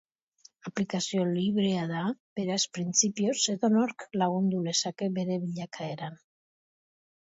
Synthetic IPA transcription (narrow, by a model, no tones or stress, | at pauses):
aplikasio̞liβɾe̞aðab̥e̞ɾaspɾint͡sipio̞se̞ðo̞noɾklaɣund̪uðe̞sake̞be̞ɾe̞β̞iʎakʰae̞ɾan